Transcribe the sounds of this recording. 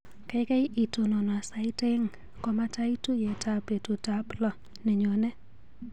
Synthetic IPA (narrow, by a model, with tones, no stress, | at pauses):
ka˨jka˦i˦ʔi˨to˨nɔ˨n˨a˨sa˨ɪ˦te˦ŋ | kɔ˦ma˦ta˦i˦tu˦je˨tʰa˦pe˨tu˨ta˦blɔ˦˨ | ne˨ɲo˨nɛ˦